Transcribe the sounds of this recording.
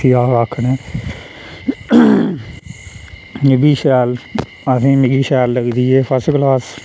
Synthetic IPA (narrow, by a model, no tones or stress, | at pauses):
iːaːaːkʰːneː | mɪɡiːʃɛːl | əsĩːmɪɡiːʃɛːlːəɡd̪iːeːpʰəsɡlaːs